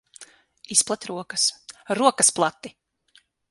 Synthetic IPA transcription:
isplˠat̪ʲɾuɔkəsɾuɔkɐsplˠat̪ːi

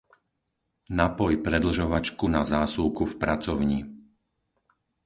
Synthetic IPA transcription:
napɔjpɾɛd̪l̩ʒɔʋat͡ʃkunazaːsuːkufpɾat͡sɔʊɲi

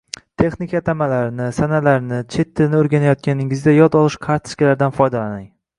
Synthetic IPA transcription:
t̪ʰe̞χnikʰʲat̪ʰamalaɾɪnɪsanalaɾnɪt͡ʃʰe̞t̪ʰːɪnɪoɾɡʲanajɒt̪̚kʲʰanɪŋɪzd̪ʲajɒd̪ɒlˠɪʃqʰaɾt̪ʰɪ̥skʲɪlaɾd̪anfɒjd̪alanɪŋ

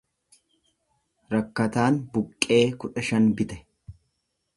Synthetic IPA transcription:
ɾɐkːɐt̪aːnbʊkʼːe̞ːkʊᶑɐʃɐnbɪt̪ɛ̥

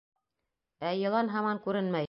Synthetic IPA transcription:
æjɤ̆lˠɑnɦɑmɑŋkʉɾɘnmæj

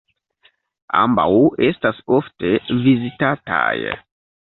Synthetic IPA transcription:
a̰mba̰we̞stasofte̞vizitata̰j

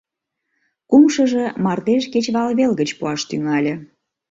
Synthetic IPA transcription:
kumʃəʒe̽mɑrt̪eʃket͡ɕβɑlβelɣət͡ɕpuɑʃt̪yŋɑlʲĕ

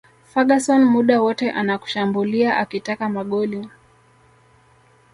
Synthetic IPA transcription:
faɠasɔnmuɗawɔtɛʔanaku̥ʃambuliaʔakitakamaɠɔliɔ

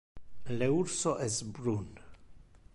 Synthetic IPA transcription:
leuɾsoʔɛsbɾun

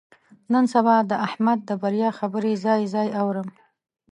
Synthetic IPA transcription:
nənsabɑd̪əʔahmad̪̚ːəbaɾjɑxabəɾezɑjzɑjawɾəm

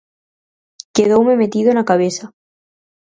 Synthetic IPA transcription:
keðowme̞met̪iðonakaβesa

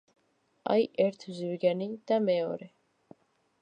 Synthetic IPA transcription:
a̰jɛɾt̪ʰuzivɡɛnid̪̥amɛɔ̰ɾɛ

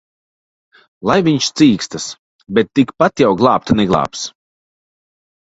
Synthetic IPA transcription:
lˠajviɲʃt̪siːkst̪as | bɛt̪ːikpat̪jawɡlˠɑːp̚t̪anɛɡlˠɑ̰ːps

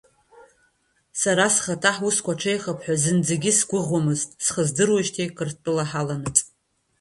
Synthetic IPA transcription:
saɾasχatʰaħuskʷaʈ͡ʂʰejχapʰħʷᶣazɨnd͡zeɡʲɪsɡʷʊʁʷamɨztʼsχəzdɨrwaʃtʰejkʰʼɨrtʼɨlaħalanɨtʼ

